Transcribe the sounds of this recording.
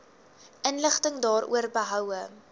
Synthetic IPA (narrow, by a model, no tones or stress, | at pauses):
ʔənləχtəŋdɑːrʔṵərbəɦœwə